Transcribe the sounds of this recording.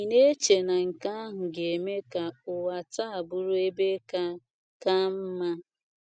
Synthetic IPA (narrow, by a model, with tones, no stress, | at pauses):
i˨ne˦t͡ʃe˨na˨ŋ̩˨ka˦ɦ̩˨ɡe˨me˦ka˨ʊ˨wa˨ta˦a˨bʊ˦ɾu˦e˦be˦ka˦ | ka˦m̩˦ma˦